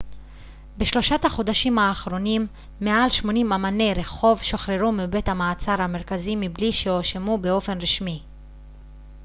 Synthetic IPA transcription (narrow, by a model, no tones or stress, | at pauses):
beʃlo̞ʃathaχo̞d̪aʃimhaːχʁo̞nimː | ealʃmo̞nimamane̞ʁe̞χo̞vʃoχɾeʁumibe̞thamaːt͡saɾhameʁkazimibliʃeoʃemube̞o̞fe̞nʁiʃmi